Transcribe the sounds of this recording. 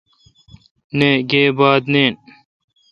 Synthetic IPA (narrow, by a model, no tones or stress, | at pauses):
neːɡeːbaːd̪neːn